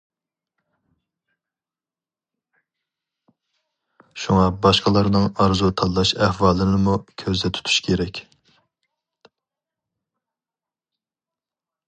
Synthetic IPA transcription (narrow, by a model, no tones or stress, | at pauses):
ʃuŋɑbɑʃqɑlˠɑɾnɨŋɑɾzut̪ʰɑlːɑʃæhwɑːlˠɨnɨmukʲʰøzd̪ɛt̪ʰu̥t̪ʰu̥ʃkʲʰeɾɛkʲ